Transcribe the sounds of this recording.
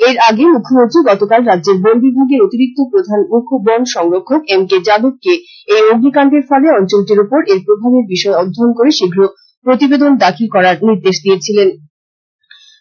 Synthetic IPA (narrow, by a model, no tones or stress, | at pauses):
eɾaɡemukʰːomont̪ɾiɡɔt̪okalɾad̪ːd͡ʑeɾbolbibʱoɡeɾot̪iɾik̚t̪opɾod̪ʱanmukʰobɔnʃɔŋɾokʰːokemked͡ʑabob̚ke | ejoɡnikaɳʈeɾfɔleɔnt͡ɕolʈeɾupoɾeɾpɾobʱabeɾbiʃɔeɔd̪ʱːonkoɾeʃiɡʱɾo | pɾot̪ibed̪ond̪akʰilkɔɾaɾniɾd̪eʃd̪iet͡ɕʰilen